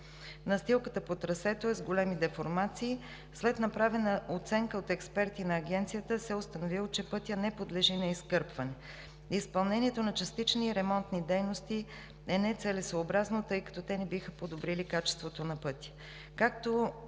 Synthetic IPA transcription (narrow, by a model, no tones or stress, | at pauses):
nɐst̪ilˠkət̪əpot̪ɾɐsɛt̪oɛzɡolɛmid̪ɛfoɾmat̪siː | slɛt̪nɐpɾavɛnəʔot̪sɛŋkəot̪ɛkspɛɾt̪inɐːɡɛnt̪sijət̪əsɛost̪ɐnovilˠot͡ʃɛpɤt̪ʲjənɛpod̪lɛʒinɐiskɤɾpvɐnɛ | ispɐlˠnɛniɛt̪onɐt͡ʃɐst̪it͡ʃniːɾɛmɔnt̪nid̪ɛjnost̪i | ɛnɛt̪sɛlɛsoːbɾaznot̪ɤjkə̥t̪ot̪ɛnɛbixəpod̪obɾilikat͡ʃɛ̥st̪vot̪onɐpɤt̪ʲjə̥ | kak̚t̪o